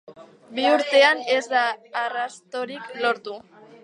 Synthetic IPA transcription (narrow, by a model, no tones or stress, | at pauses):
biuɾt̪e̞ane̞zd̪aːrast̪o̞ɾiklo̞ɾt̪u